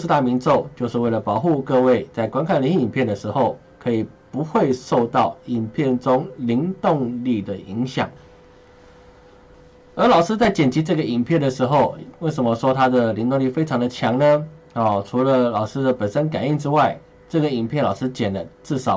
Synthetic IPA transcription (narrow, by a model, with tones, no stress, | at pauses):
t̪a˥˩mi˧˥nʈ͡ʂo˥˧ʊt͡ɕjo˥˧ʊʂɻ̩˥˧we˥˩ɪlə˩pɑ˨˩ʊxu˥˧kɤ˥˧we˥˧ɪt͡sa˥˩ɪkwa˥nkʰa˥˩nli˧˥ŋi˥˩i˨˩npʰjɛ˥˩nd̪ə˩ʂɻ̩˧˥xo˥˩ʊ | kʰɤ˧˥i˨˩ | pu˧˥xwe˥˧ɪʂo˥˧ʊt̪ɑ˥˩ʊi˨˩npʰjɛ˥˩nʈ͡ʂʊ˥ŋli˧˥ŋt̪ʊ˥˧ŋli˥˩d̪ə˩i˧˥ŋɕjɑ̰˨˩˦ŋ | ə˞˧˥lɑ˨˩ʊʂɻ̩˥t͡sa˥˩ɪt͡ɕjɛ˨˩nt͡ɕi˧˥ʈ͡ʂɤ˥˩ɡə˩i˨˩npʰjɛ˥˩nd̪ə˩ʂɻ̩˧˥xo˥˧ʊwe˥˩ɪʂə˧˥nmə˧ʂwɔ˥t̪ʰa˥d̪ə˨li˧˥nt̪ʊ˥˧ŋli˥˩fe˥ɪʈ͡ʂʰɑ˧˥ŋd̪ə˨t͡ɕʰjɑ˧˥ŋnə˧ | ɔ˨˩ʈ͡ʂʰu˧˥lə˧lɑ˨˩ʊʂɻ̩˥d̪ə˨pə˨˩nʂə˥nka˨˩ni˥˧ŋʈ͡ʂɻ̩˥wa˥˩ɪ | ʈ͡ʂɤ˥˩ɡə˩i˨˩npʰjnlɑ˨˩ʊʂɻ̩˥t͡ɕjɛ˨˩nlə˦ʈ͡ʂɻ̩˥˩ʂɑ˨˩˦